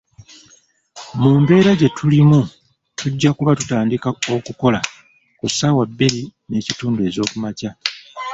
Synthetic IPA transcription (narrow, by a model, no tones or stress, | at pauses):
muːmbe̞ːɾaɟe̞tʰulimu | tuɟːakuβatutaːndikaokuko̞la | kusawabːe̞ɾine̞ːcituːndue̞ːzo̞ːkumaca